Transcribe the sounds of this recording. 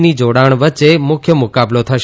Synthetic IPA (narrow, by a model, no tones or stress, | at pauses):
nid͡ʒoɽaɳ̃ʋəːt͡ʃemʊkʰjəmʊkablot̪ʰəʃ